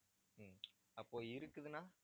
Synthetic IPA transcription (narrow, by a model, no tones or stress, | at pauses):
ɐpːoːɪɾɯkːɯðɯnaː